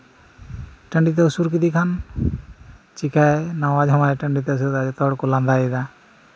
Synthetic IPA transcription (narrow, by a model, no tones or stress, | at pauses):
ʈəɳɖit̪̬ɛusuɾk̬id̪ikʰan | t͡ʃikajnawad͡ʒɦɔmajʈəɳɖit̪ɛus̬uɾt̪ad͡ʒt̪ɔɽkulãnd̪aɛd̪a